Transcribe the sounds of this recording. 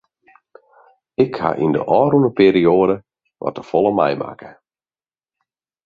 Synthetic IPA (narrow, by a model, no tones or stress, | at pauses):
ɪkha̰ʔḭndə̰ʔɔːrunəpeːɾioːədə | ʋʔɔ̰təfɔlˠəmɛ̰jma̰kə̥